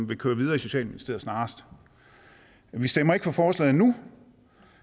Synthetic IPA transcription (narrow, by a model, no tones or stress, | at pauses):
mʋe̝kʰøːɐʋið̞ˠɐːiso̝ɕɛ̰ːlminisd̥ḛɐ̰snɑ̈ːsd̥ | ʋisd̥emɐe̝ɡ̥əfɒ̽fɒːslɛ̰ːð̩ˠnu